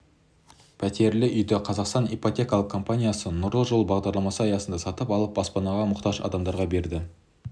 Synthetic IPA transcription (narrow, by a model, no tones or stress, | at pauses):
pʰæt̪e̞ɾlɪʔʏjd̪ɪqʰɑzɑqst̪ɑnipot̪ʲe̞kɑlˠəqkʰːo̞mpanʲijasənʊɾəlˠʒolˠbɑʁd̪ɑɾlˠɑmɑsəɑjɑsənd̪ɑsɑt̪əpɑlˠəp̚bɑspɑnɑʁɑmʊqt̪ɑʒɑ̰d̪ɑmd̪ɑɾʁɑbe̞ɾd̪ɪ